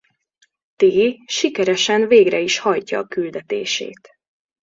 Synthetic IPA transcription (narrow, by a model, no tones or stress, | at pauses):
t̪eːʃikɛɾɛʃɛnveːɡrɛiʃhɒjcɒːkyld̪ɛt̪eːʃḛːt̪